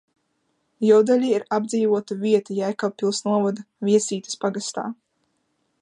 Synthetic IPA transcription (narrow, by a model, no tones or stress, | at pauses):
jɔwd̪alʲiːiɾab̚d̪ziːvuɔt̪uvʲiɛt̪ujajkawpilˠsnuɔvɔd̪a | vʲiɛsiːt̪ɨ̥spaɡast̪a̰ː